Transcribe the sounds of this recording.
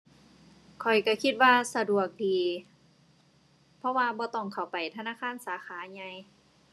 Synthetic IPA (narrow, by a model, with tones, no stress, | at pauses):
kʰɔ˨˩jka˧˩kʰi˧t̪̚waː˧sa˧du˨˩ək̚diː˨˩ | pʰɔ˧waː˧bɔː˧˦t̪ɔ˧˩ŋkʰa˨˩wpa˨˩jt̪ʰa˧naː˧˥˨kʰaː˧˥˨nsaː˨˦xaː˨˦ɲa˧j